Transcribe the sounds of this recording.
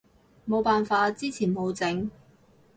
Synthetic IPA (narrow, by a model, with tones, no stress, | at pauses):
mo˨˧wpaː˨nfaː˧t͡siː˥t͡sʰiː˨˩nmo˨˧wt͡sɪ˨˥ŋ